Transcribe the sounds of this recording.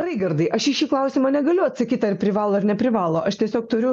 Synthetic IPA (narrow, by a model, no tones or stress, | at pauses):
rɐɪɡɐrd̪ɐɪʔɐʃɪʃʲiːklˠɐʊsʲɪmɐnʲɛɡɐlʲʊɐt̪sɐkʲiːt̪ɐrpʲɾʲɪʋɑːlˠoːɪɾnʲɛpʲɾʲɪʋɑːlˠoːʔɐʃt̪ʲiɛsʲoːk̚t̪ʊɾʲʊ